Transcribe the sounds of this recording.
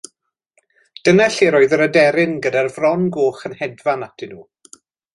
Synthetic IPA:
d̥ənɛɬiɾoːɨðəɾədɛɾɪnɡədarvrɔnɡoːχənhɛdvanatʰɪnuː

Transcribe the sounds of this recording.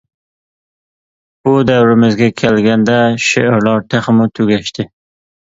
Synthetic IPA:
b̥ʊd̪awɾɪmɪzɡʲakʲʰelɡʲand̪aʃɪʔɾlɑɾt̪ʰeχmʊt̪ʰʊɡʲaʃt̪ɪ

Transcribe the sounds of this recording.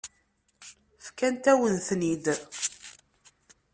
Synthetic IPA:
fkænt̪æwənθnid̪

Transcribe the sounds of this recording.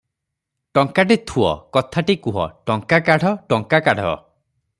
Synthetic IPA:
ʈɔŋkaʈ̬it̪ʰuɔ̰kɔt̪ʰaʈikuɦɔ̰ʈɔŋkakaɽ̤ʱɔʈɔŋkakaɽ̤ɔ̰

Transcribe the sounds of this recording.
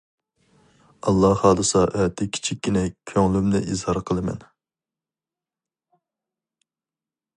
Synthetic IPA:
ɑlˠːɑhhɑːd̪ɨsɑʔɛt̪ʰɪkʲʰi̥t͡ʃʰikʲːinɛkʲʰøŋlymnɪʔizhɑɾqʰəlˠɨmɛ̰n

